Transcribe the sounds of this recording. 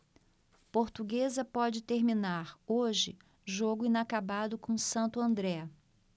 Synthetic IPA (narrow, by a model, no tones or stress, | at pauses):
poɾt̪uɡezɐpɔd͡ʒɪt̪eɾmĩnaɾoʒɪ̰ | ʒoɡʊĩnakabad̪ʊkõsɐ̃nt̪ʊɐ̃nd̪ɾɛ